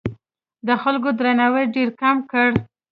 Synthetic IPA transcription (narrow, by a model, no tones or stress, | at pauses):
d̪əxalɡod̪ɾanawəjɖeɾkamkəɽ